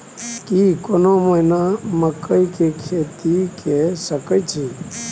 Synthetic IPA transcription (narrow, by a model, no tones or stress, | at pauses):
kikonoməjnaməkːəikekʰeːt̪ikesəkəjt͡ʃʰiː